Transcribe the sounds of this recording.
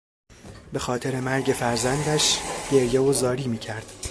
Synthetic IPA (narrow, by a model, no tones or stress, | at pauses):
be̞xɒːt̪ʰe̞ɾe̞mæɾɟe̞fæɾzænd̪æʃɟ̥e̞ɾjevozɒːɾiːmiːcʰæɾd̪̥